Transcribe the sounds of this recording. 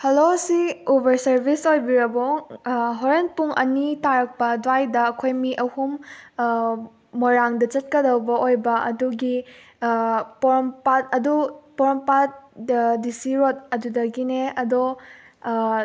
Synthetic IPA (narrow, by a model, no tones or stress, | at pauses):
hɐlosiubɐɾsɐɾbisojbiɾɐbɔ | ɦoɾen̚puŋʔɐ̰nitaɾɐk̚pɐdajdɐːkʰojmiʔɐhum | oɾaŋdɐt͡ʃɐt̚kɐdɐwbɐojbɐʔɐ̰duɡi | poɾmpat̚ɐdupɔɾɐmpat̚disiɾot̚ɐdudɐɡineɐdɔ